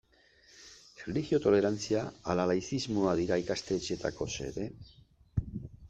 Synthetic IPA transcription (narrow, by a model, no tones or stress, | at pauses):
iliɣio̞t̪o̞le̞ɾant͡siaːlalajθizmoaðiɾaikast̪e̞t͡ʃe̞t̪a̰ko̞se̞̰ɾe̞